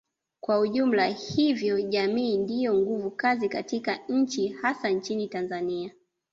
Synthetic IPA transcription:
kwauʄum̩lahivjɔʄamiːndijɔŋɡuvukazikatikaɲ̩t͡ʃihasant͡ʃinitanzania

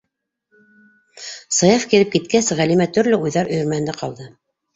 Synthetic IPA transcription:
sɤ̆jɑfkiðɘp̚kit̪kæsʁælimæt̪ɵ̆ɾlɘujðɑɾɵ̆jɵ̆ɾmæhɘ̆nd̪æqɑlˠd̪ɤ

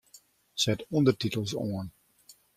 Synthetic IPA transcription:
sɛtɔndərtitəl̩ˠso̰ən

